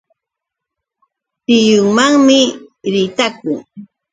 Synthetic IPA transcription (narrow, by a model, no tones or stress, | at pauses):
t̪ɪjʊŋmaŋmɪɾɪt̪akʊŋ